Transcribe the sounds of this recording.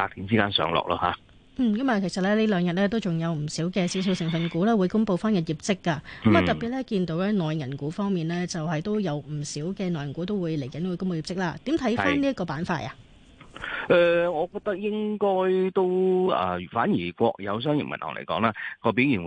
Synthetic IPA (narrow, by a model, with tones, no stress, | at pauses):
paː˧t̪ʰi˨˥nt͡siː˥kaː˥nsœ̰ː˨˧˥ŋlɔ̰ː˨k̚lɔ̰ː˧ha̰˨˧ | n̩ː˥˩kɐ˨˥mɐ˨kʰe˨˩sɐ˨t̚lɛː˥liː˥lœː˨˧ŋjɐ˨t̚lɛː˥t̪̬o˥wt͡sʊ˨ŋjɐ˨˧wm̩˨˩siː˨˥wkɛː˧si˨˥ws̬i˧wsɪ˨˩ŋfɐ˨˧nkuː˨˥lɛː˥wu˨˧jkʊ˥ŋpo˧wfaː˥njɐ˧t̚jiː˨˩p̚t͡sɪ˥kːa˧kmɐ˨˩t̪ɐ˨tpiː˨t̚lɛː˥kiː˧nt̪o˨˥wlɛː˥nɔː˨jŋɐ˨˩nkuː˨˥fɔː˥ŋmiː˨nlɛː˥t͡sɐ˨whɐ˨jt̪o˥wjɐ˨˧wm̩˨˩siː˨˥wkɛː˧nɔː˨jɐ˨nkuː˨˥t̪o˥wuː˨˧jle˨˩jkɐ˨˦nwu˨˧jkʊ˥ŋpo˧ji˨p̚t͡sɪ˥k̚laː˥t̪iː˨˥mt̪ʰɐ˨˥jaː˥nliː˥ɐ˥tkɔː˧paː˨˥nfaː˧t̚a̰˨ | ʔɛ˨˧ŋɔː˨˧kɔː˧k̚t̪ɐ˥k̚jɪ˥ŋkɔː˥jt̪o˥wɐ̰˨˧˩fa̰ː˨˥njiː˨˩kʷɔː˧k̚jɐ̰˨˧ws̬œː˥ŋjɪ̰˨ŋmɐ̰˨nhɔ̰ː˨ŋlḛ˨˩kɔ̰ː˨˥ŋlaː˥kɔː˧piː˨˥wjiː˨˩n˨